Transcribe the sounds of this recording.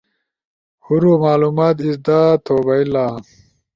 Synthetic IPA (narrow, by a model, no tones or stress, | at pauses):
huɾumaːluːmaːt̪̬isd̪aːt̪ʰoːbɐilaː